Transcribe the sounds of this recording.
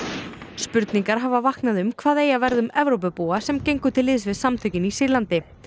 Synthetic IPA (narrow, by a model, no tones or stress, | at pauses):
spʏɾt̪niŋkaɾ̥ɦavavahknaðʏmkʰvaːðeːjavɛɾðʏmɛvɾowp̬ʏpuːasɛmcejŋkʏt̪ʰɪlːɪːðsvɪðsamt̪ʰœɥcɪnisɪɾlant̪ɪ